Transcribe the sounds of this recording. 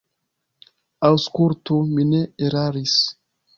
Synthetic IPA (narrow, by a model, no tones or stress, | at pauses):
awskultumineeɾaɾis